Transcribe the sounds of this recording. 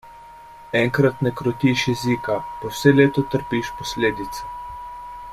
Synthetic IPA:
ɛŋkɾat̪nɛkɾɔt̪iːʃjɛzikapɔwsɛleːt̪ɔt̪əɾpiʃpɔsleːd̪it̪sɛ̥

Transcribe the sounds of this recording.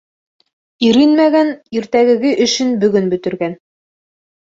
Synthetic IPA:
iɾinmæɡæniɾt̪æɡɘ̆ɡɘʔɵ̆ʃɘnbɵ̆ɡɵnbɵ̆t̪ɘ̆ɾɡæn

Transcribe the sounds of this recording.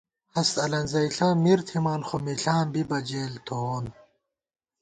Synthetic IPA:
hɐst̪ɐlɐnzɐjɬãːmiɾt̪ʰimaːnxomiɬãːmbibɐd͡ʑeːlt̪ʰoon

